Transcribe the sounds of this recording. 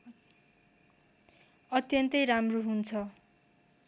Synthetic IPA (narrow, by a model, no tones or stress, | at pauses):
ʌt̪jʌnt̪ʌjramroɦunt͡sʰʌ